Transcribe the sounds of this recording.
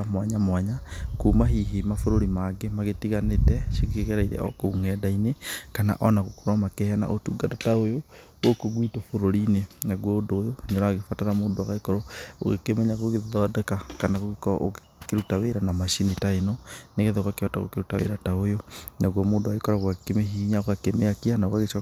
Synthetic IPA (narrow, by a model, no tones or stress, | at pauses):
mwaɲamwaɲakumaɦiɦimafoɾoɾimaɡemaɣetiɣanetɛʃiɣekeɣɛɾaiɾɛ̰ɔ̰koŋɛːdainekana̰ʔɔnaɣokoɾwamakɛana̰ʔotuːɡatataojo | okoɣwitofoɾoɾinenaɣwɔdoːjoɲɔɾaɣefataɾamoːndoaɣaekɔɾoo̰ɣḛkemɛɲaɣoɣeðɔdɛkakanaɣoɣekɔa̰ʔo | keɾutaweɾanamaʃinitaenɔneɣeðɔɣakeɔta̰ɣo̰keɾutawḛɾataojonaɣɔmoːndoaɣekɔɾaɣwakekemeɦiɲaɣakemeakianaoɣaɣeʃa